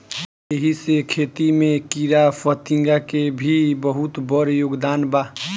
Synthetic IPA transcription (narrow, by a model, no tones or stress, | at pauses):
eɦisekʰet̪imẽkiɾafət̪ĩŋɡakebʱibəɦut̪bəɾjoːɡd̪aːnbaː